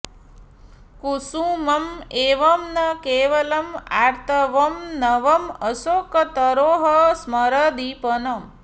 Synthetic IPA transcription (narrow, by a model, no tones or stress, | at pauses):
kusũːmɐmeːʋɐmnɐkeːʋɐlɐma̰ːɾt̪ʰɐʋɐmnɐʋɐməsoːkɐt̪əɾoːɦɐsmɐɾɐd̪ipənɐm